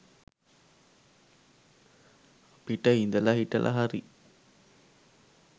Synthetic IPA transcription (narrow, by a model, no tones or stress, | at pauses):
piʈːaind̪ɐlaɦiʈːɐ̰lʔa̰ɦaɾi